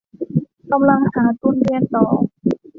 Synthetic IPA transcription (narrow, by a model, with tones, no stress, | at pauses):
ka˧mla˧˥ŋhaː˩˦t̪u˧˥˨nli˧ənsɔː˩˦ŋ